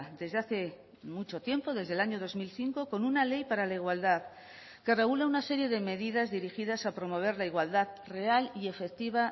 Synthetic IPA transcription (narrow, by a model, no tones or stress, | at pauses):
d̪e̞zðeaθe̞ | mut͡ʃo̞t̪je̞mpo̞ðe̞zð̞e̞laɲo̞ðo̞zmilθiŋko̞ko̞nunale̞jpaɾalaiɣwald̪að | kere̞ɣulaunase̞ɾje̞ðe̞me̞ðiðazðiɾixiðasapɾo̞mo̞β̞e̞ɾlaiɣwald̪aðre̞alie̞fe̞k̚t̪iβ̞a